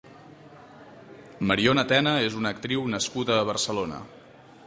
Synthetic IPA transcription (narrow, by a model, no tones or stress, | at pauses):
məɾionət̪ɛnəezunəkt̪ɾiwnəskuðəːβərsəlonə̰